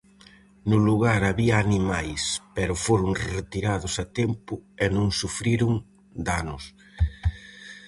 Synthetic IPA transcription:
nʊluɣaɾaβiɐːnimajspɛɾʊfoɾʊŋret̪iɾaðʊsɐt̪ɛmpʊenõŋsufɾiɾʊŋ | d̪anʊs

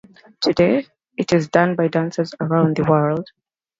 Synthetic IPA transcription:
tʰɨde | ɨtɪzdʌ̃nbaɪdãnsəzəɹãʊ̃nðəwɜ˞lˠd̥

